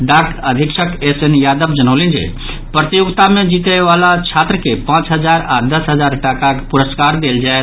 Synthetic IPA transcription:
ɖaːkəd̪ʱɪkʃʰəkesenjaːd̪əbd͡ʒənəːlĩnd͡ʒḛ | pɾət̪ijʊɡt̪amẽd͡ʒiːt̪əeʋaːlat͡ʃʰaːt̪ɾəkepãːt͡ʃɦəd͡ʒaːɾaːd̪əsɦəd͡ʒaːɾʈakakpʊɾəskaːɾd̪eːld͡ʒaːe

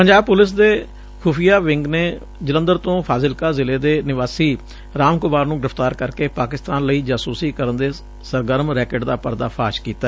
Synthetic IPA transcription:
pəɲd͡ʒaːb̚pʊlɪs̬d̪eː | kʰuːpʰijaːʋɪŋɡneː | d͡ʒələ̃nd̪əɾt̪õːpʰaːzɪlkaːzɪleːd̪eːnɪʋaːsiː | ɾaːmkʊmaːɾnũːɡɪɾɪft̪aːɾkəɾkeːpaːkɪst̪aːnləiːd͡ʒaːsuːsiːkəɾənd̪eː | səɾɡəɾmɾɛːkəɖd̪aːpəɾd̪aːpʰaːʃkiːt̪aɛ

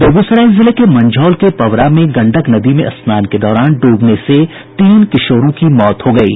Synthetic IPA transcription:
b̪oɡusɾɛːzɪlekemɐ̃ɲd͡ʒʱɔːlkepɐʋɾamẽɡɐ̃ɳɖəknɐd̪imẽʔɐsmaːnked̪ɔːɾaːnɖuːbnese | t̪iːnkɪʃoːɾõkimɔːt̪hoɡɐiː

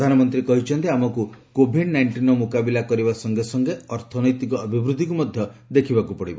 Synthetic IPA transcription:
pd̪ʱanɔmɔnt̪ɾikɔɦit͡ʃʰɔnt̪iamɔkukobʱiɖnajɳʈinɔmukabilakɔɾibasɔŋɡesɔŋɡeɔɾt̪ʰɔnɔjt̪ikɔɔbʱibɾud̪ʱːikumɔd̪ʱjɔd̪ekʰibakupɔɽibɔ

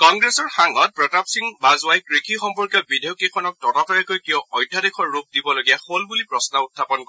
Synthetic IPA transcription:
kɔŋɡɹesɔɹxaŋɔt̚pɹɔtapsiŋbazʊajkɹikʰixɔmpɔɹkjɔbidejʊkikʰɔnɔk̚tɔtatɔjɛkojkiɔɔjdʱːadekʰɔɹːup̚dibɔloɡijaxolbulipɹɔsnɔutʰːapɔnkɔ

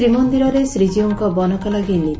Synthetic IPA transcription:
ɾimɔnd̪iɾɔɾesɾid͡ʒiɔŋkɔbɔnɔkɔlaɡini

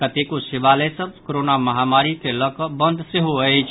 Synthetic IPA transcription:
kət̪ekosɪʋaləsəbkoɾonaməɦamaɾikeləkəbə̃nd̪ʱseɦoət͡ʃʰ

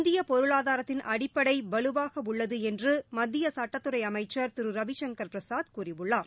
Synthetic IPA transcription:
nd̪ɪjɐpɔɾɯɭaːðaːɾɐt̪ːɪnʔɐɽɪpːɐɽɐɪʋɐlɯʋaːɣɐʊɭːɐðɯɛndrɯmɐd̪ːɪjɐsɐʈːɐt̪ːɯɾɐɪɐmɐɪt͡ʃːɐɾt̪ɪɾɯɾɐʋɪʃɐŋɡɐɾpɾɐsaːd̪kuːrɪʋɯɭːaːɾ

